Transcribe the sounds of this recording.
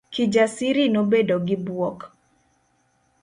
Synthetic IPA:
kid͡ʒasiɾinobedoɡɪbwɔk

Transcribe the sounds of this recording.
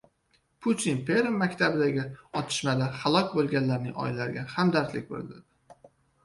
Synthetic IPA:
pʰut̪ʰinpʰe̞ɾemːakʲt̪ʰabɪd̪aɡʲɪɒt̪ʰɪ̥ʃmad̪ahalˠɒkʲbolˠɡʲanlaɾnɪŋɒ̰jlaɾɪɡʲahamd̪aɾt̪lɪkʲbo̰lɪld̪ɪd̪ɪ

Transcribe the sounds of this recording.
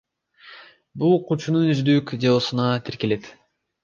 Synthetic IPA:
bulˠqʰut͡ʃununyzd̪ykd͡ʒeβosunɑt̪ʰeɾkele̞t̪

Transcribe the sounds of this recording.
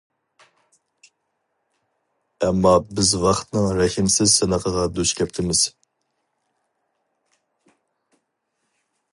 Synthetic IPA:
ɛmːɑbɪzwɑχt̪nɨŋɾɛhimsɪzsɨnəqʰəʁɑd̪yʃkʲʰɛp̚t̪ʰɪmɪz̥

